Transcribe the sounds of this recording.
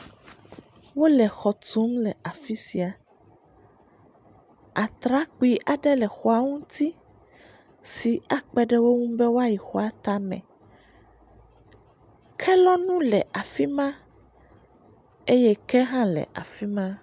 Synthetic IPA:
wo˦lɛ˨xɔ˨t̪u˨˦mlɛ˨a˨fi˦si˨a˨ | a˨t̪ɾa˦k͡pi˦ʔa˨ɖɛ˦lɛ˨xɔ˨a˨ŋũ˦t̪i˦ | si˨a˨k͡pɛ˦ɖɛ˦wo˦ŋũ˦bɛ˦wo˦a˦ji˨xɔ˨˦a˨t̪a˦mɛ̰̃˨ | kʰɛ˦lɔ˦nũ˦lɛ˨ʔa˨fi˦mã˦ | e˦jɛ˦kɛ˦ɦã˦lɛ̰˨ʔa̰˨fi˦mã˦

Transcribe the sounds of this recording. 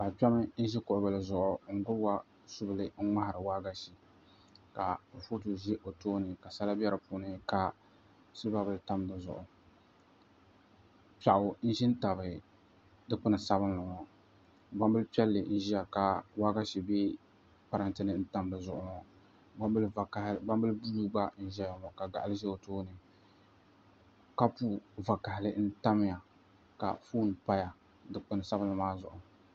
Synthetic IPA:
ba˨pɛ˦mɨ˦n̩˦ʒi˦kʊ˨ʔʊ˨bɨ˨lɨ˨zʊ˨ʔʊ˨ŋ̩˦ɡʊ˦bwa˦ | sʊ˦bɨ˨lɨ˨ŋ̩˦ma˦ha˨ɾɨ˨waː˦ɡa˦ʃi˨ | ka˨fu˦tu˨ʒi˦ʔo˨toː˦nɨ˨ka˨sa˦la˦bɛ˦ɾɨ˨pu˨˦nɨ˦ka˦ | sɨ˦ba˦bɨ˦lta˦m˦bɨ˨zʊ̰˨ʔʊ˨ | pa˨ʔʊ˨n̩˦ʒi˦n˦ta˨bɨ˨ | dɨ˦k͡pʊ˦nɨ˨sa˦bɨ˦nlɨ˨ŋɔ˨ | ba˦mbɨ˦lpɛ˦lːɨ˨n̩˦ʒi˦ja˨ka˨waː˦ɡa˦ʃi˨beː˦ | pa˨ɾa˨ntɨ˦nɨ˦n̩˦ta˦m˨lɨ˨zʊ˨ʔʊ˦ŋɔ˨˦˨ | ba˦mbɨ˦lbu˦lu˦ɡ͡ba˦n̩˦ʒɛ˦ja˨ŋɔ˨ka˨ɡa˨ʔa˨lɨ˦ʒɛ˦o˨toː˦nɨ˨ | ka˦puː˦va˨ka˨hɪ˨lɨ˦n̩˦ta˦m˦ja˨ | ka̰˨fuː˦n˨pa˦ja˨ | dɨ˦k͡pʊ˨nɨ˨sa˦bɨ˦nlɨ˨maː˦zʊ̰˨ʔʊ˨

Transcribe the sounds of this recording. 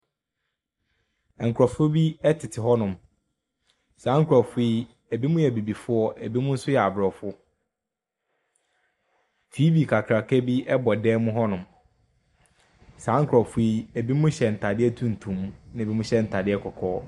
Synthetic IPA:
ɛ˨ŋ̩˨kʰʊ˨ɾɔ˨fʊ˦bi˦ɛ˦tʰɪ˨tʰɪ˨ɦɔ˦nʊ̃˨m | sãː˨˦ŋ̩˦kʰɾɔ˨fʊ˦i˦ | æ˨bi˦mʊ̃˦jɛ˨bi˨bi˨fʊ˦ɔ˦ʔæ˨bi˦mʊ̃˦n̩˦sʊ˦jɛ˨a˨bɾɔ˨fʊ˦ | tʰiː˦bi˨kʰa˨kʰɾa˨kʰɛ˦bi˦ʔɛ˦bɔ˨dɛː˦mʊ̃˦ɦɔ˦nʊ̃˨m | sãː˨˦ŋ̩˦kʰʊ˨ɾɔ˨fʊ˦i˦æ˨bi˦mʊ̃˦ɕɛ˨n̩˨tʰa˨dɪ˦ɛ˦tʰũ˦n̩˨tʰũ˨mnã˦˨bi˦mʊ̃˦ɕɛ˦n̩˨tʰa˨dɪ˦ɛ˦kʰɔ˨kʰɔː˦

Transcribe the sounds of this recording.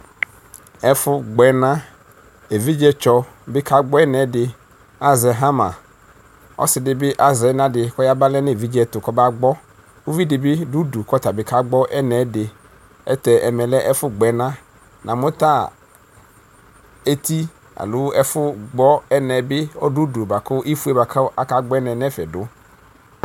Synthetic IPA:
ɛ˦fʊ˦ɡ͡bɛ˨nã˦ | e˨vi˦d͡ʒɛ˦t͡ʃɔ˨ | bɪ˦kʰa˦ɡ͡bɔ˦ɛ˦nɛ˨˦dɪ˨ | a˦zɛ˨ɦa˦mã̰˨ | ɔ̰˦sɪ˨dɪ˨bɪ˦ʔa˦zɛ˨˦nã˦dɪ˨kɔ˦ja˦ba˦lɛ˦nɪ˦˨vi˦d͡ʒɛ˦˨tʊ˨kɔ˦ba˦ɡ͡bɔ˦ | u˦vi˦dɪ˨bɪ˦du˦du˨kɔ˦ta˨bɪ˦ka˦ɡ͡bɔ˦ʔɛ˦nɛ˨˦dɪ˨ | ɛ̰˦tɛ˨ʔɛ˨mɛ˨lɛ˦ʔɛ˦fʊ˦ɡ͡bɛ˨˦nã˦ | nʔã˨mʊ̃˦ta˦˨ | e˦t̪i˦ | a̰˨lʊ˦ɛ˦fʊ˦ɡ͡bɔ˦ɛ˦nɛ˨bɪ˦ɔ˦du˦du˨ba˨kʊ˦ʔi˦fu˦ɛ˦ba˨ka˦ka˦ɡ͡bɔ˦ɛ˦nɛ˨nɛ˦fɛ̰˨dʊ˦

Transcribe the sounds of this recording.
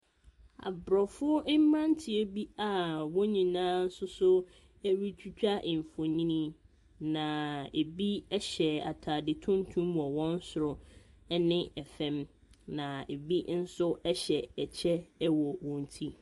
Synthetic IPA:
a̰˨bɾɔ˨fʊ˦ʊ˦ɪ˦m̩˦mã˦n˦tʰɪ˨e˦bi˦a˨wɔ̃˦ɲĩ˨nãː˦n̩˦sʊ˦sʊ˦ | ɛ˦ɥi˦t͡ɕʰᶣu˦t͡ɕᶣa˦ʔɪ̃˨m˨fo˨ɲĩ˦nĩ˦ | nã˨e˨bi˦ɛ˦ɕɛ˨a̰˨tʰa˨dɪ˨tʰʊ̃˦n˦tʰũ˦mwɔ˨wɔ̃˦n̩˦sʊ˨ɾɔ˨ | ɛ˦nɪ̃˦ɛ˨fɛ̃˦m | nã˨e˨bi˦n̩˦sʊ˦ɛ˦ɕɛ˨ɛ˨t͡ɕʰɛ˦wɔ˨wɔ̃˨n˨tʰi˦

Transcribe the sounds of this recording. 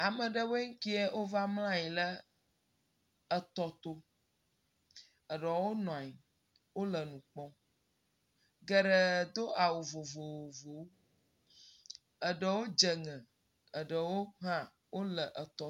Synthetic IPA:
a˨mə̃˨ɖə˦we˦ŋ̩˦ki˦ɛ˦ʔo˦va˦ml̃ã˦ji˨lə˦ | ə˨t̪ɔ˨t̪o˦ | ə˨ɖə˨wo˦nɔ̃˨a˨ji˨ | wo˦lə˨nũ˨k͡pɔ̃˦ | ɡə˦ɖə˦˨d̪o˦a˨wo˨vo˨vo˨wo˨vo˨w | ə˨ɖə˨wo˦d͡ʒə˨ŋɛ̃˨ | ə˨ɖə˨wo˦ɦã˦ | wo˦lə˨ʔə˨t̪ɔ˨

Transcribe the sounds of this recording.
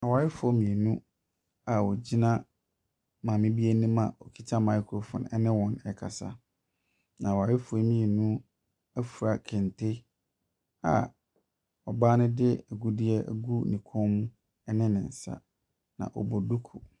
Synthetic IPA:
a˨wa˨ɾɪ˦fʊ˨ɔ˦mĩ˨e˨nũ˦ | a˨wɔ˨d͡ʑi˦nã˦ | mãː˨mɪ̃˦bi˦e˦nũ˦mã˨ɔ˨kʰi˦tʰa˦ma˨˦kʰɾo˨fɔ̰̃˨n˨ɛ̰˦nɪ̃˦wɔ̃˨nɛ˨kʰa̰˨sa̰˦ | nã˨a˨waː˨ɾɪ˦fʊ˨˦mĩ˦e˨nũ˦ | æ˦fu˨ɾa˦kʰɛ̃˨n˨tʰe˦ | a̰˨ | ɔ˨baː˦nʊ̃˦dɪ˦æ˨ɡu˦dɪ˦ɛ˦ʔæ̰˨ɡu˦˨nĩ˨kʰɔ̃˦m˦ | ɛ˦nɪ̃˦nɪ̰̃˨n̩˨sa̰˦ | nã̰˨ʔɔ̰˨bɔ˨du˦kʰṵ˨

